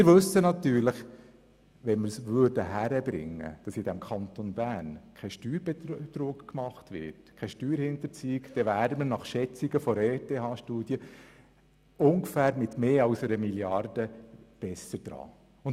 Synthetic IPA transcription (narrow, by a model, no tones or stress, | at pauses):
ɪɾʋɵsːənɑt̪yːɾləχ | ʋɛnməɾsʋøːɾdəɦæɾəbɾɪ̰ŋːə̰d̥ɑsɪd̥ɛmkʰɑnt̪onbæːnkʰɛɪʃtyːɾbɛt̪ɾuːkkmɑχtʋɪ̰tkʰɛʃtyːɾhɪnt̪əɾt͡siːɪkd̥ɛʋæːɾəmənɑχʃɛt͡siɡəfɔɾɛteːɦɑːʃtuːd̥jə | ʊŋɡfæːɾmɪt̪meːɑʊsɛɾəmiljɑrd̥əb̥ɛsːəɾd̥ɾɑ̰ː | ʊn